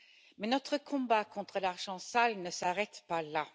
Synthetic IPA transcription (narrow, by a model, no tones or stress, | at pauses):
mɛnɔt̪χəkʰɔ̃bakʰɔ̃t̪χəlaʁʒɑ̃salnəsaʁɛt̪pala